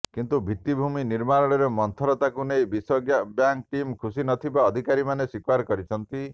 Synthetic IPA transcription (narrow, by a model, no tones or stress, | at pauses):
kint̪ubʱit̪ːibʱuminiɾmaɾɔɭeɾemɔnt̪ʰɔɾɔt̪akunejbisɔɡjabjaŋkʈimkʰusinɔt̪ʰibaɔd̪ʱikaɾimaneswikwaɾkɔɾit͡ʃʰɔnt̪i